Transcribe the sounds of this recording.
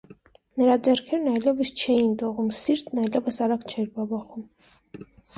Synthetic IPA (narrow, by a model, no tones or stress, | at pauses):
nəɾɑd͡zɛɾkʰɛɾnɑjlɛvəst͡ʃʰɛjind̪ɔʁumsiɾt̪nɑjlɛvəsɑɾɑkt͡ʃʰɛɾbɑbɑχum